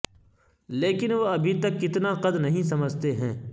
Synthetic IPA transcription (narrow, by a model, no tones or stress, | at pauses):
leːkɪnʋoɐbʱit̪ɐkːɪt̪naqɐd̪nɐɦĩs̬ɐməd͡ʒt̪eɦɛ̃ː